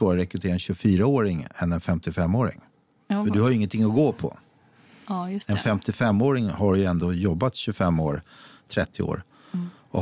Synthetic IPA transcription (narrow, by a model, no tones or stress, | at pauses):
ɑːɾɾɛkɾɵt̪ʰeːɾaɛnɕɵfyːɾaoːɾɪŋɛ̰nɛnfɛmt̪ɪfɛmːoːɾɪ̰ŋ | fœɖɵhajʏɪŋːənt̪ʰɪŋːɔɡoːpʰɔ̰ | ɛnfɛmt̪ɪfɛmːoːɾɪŋhaɾjɵɛnd̪oːjɔbːat̪ɕɵfɛmːoːɾt̪ʰɾɛt̪ʰːɪo̰ːɾ | ɔ